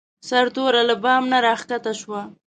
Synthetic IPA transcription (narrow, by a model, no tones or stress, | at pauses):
saɾt̪oɾalabɑmnaɾɑxkat̪aʃwa